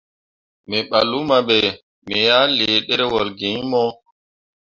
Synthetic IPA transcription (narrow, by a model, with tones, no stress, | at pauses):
mɛ˨ɓa˨lu˦ma˨ɓɛ˨ | mɛ˨jaː˦leː˨ɗɛ˦ɾɛ˦wɔ˨lɡi˨ɲmɔ˦